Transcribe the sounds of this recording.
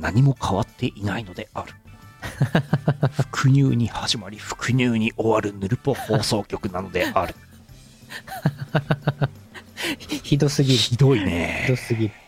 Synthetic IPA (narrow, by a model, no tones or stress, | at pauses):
naɲ̟imo̞kʰaβat̪ʰːe̞ʔinaino̞d̪e̞aɾɯ̟̥ | ɸɯ̟̥kʰɯ̟ɲʲɨːɲ̟ihaʑimaɾʲiɸɯ̟̥kɯ̟ɲ̟ʲɨːɲ̟iʔo̞βaɾɯ̟nɯɾɯ̟po̞ho̞ːso̞ːkʲo̞kɯ̟nano̞d̪e̞ʔaɾɯ̟̥ | çid̪o̞sɨɡʲiɾçid̪o̞inḛd̪osɨɡʲi